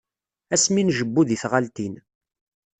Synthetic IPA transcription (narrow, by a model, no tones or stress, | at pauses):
æsminʒəbːuðiθʁalt̪in